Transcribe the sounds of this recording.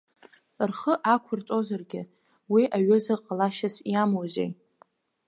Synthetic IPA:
rχəʔakʷʰʊrt͡sʼo̞zarɡʲɪ | wiʔaɥɪzaqʼalaʃasiamozḛj

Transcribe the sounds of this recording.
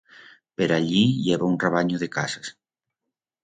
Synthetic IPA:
peɾaʎiʎeβaunreβaɲoðekasas

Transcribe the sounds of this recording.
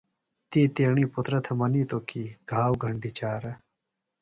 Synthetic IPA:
t̪eːt̪eːɳiːput̪ɾɐt̪ʰɐmɐniːt̪oːkiɡ̥ʱaːwɡʱɐɳɖit͡ɕaːɾɐ

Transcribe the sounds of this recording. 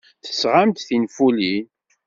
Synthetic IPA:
θə̥sʁamt̪θinfulin

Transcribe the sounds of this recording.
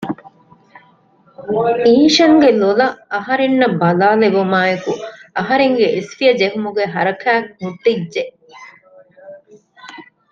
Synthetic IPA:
iːʃɐŋɡelolɐɐɦɐɾenːɐbɐlaːleʋumaːjekuɐɦɐɾeŋɡeʔesfijɐd͡ʒeɦumuɡeɦɐɾɐkʰæːkhuʈːidd͡ʒe

